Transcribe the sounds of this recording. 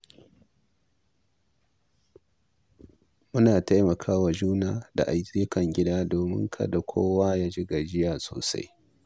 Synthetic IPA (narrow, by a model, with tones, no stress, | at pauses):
mʊ˦naː˨ta˦jmɐ˨kʰaː˦wa˨d͡ʒuː˦naː˦da̰˨ʔa˨jzi˦kɐ˨ŋɡʲɪ˦daː˦doː˨mɪ̰˦ŋkʰɐ̰˦da˨kʷʰo̰ː˦waː˦jaː˦d͡ʒɪ˦ɡa˨d͡ʒɪ˦jaː˨so̰ː˨sa̰˦j